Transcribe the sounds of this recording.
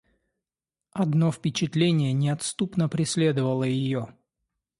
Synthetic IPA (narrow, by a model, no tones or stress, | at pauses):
ɐd̪no̞fpʲɪt͡ɕɪt̪lʲenʲɪjənʲɪɐt̪st̪upnəpɾʲɪsʲlʲe̞d̪əvəlˠəjɪjo